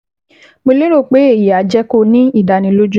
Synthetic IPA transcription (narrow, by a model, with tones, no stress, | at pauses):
mo˧le˦ɾo˦˨k͡pe˨˦e˦˨ja˨˦d͡ʒɛ˦ko˧nĩ˦i˦˨da˨nĩ˨˧˦lo˦d͡ʒu˦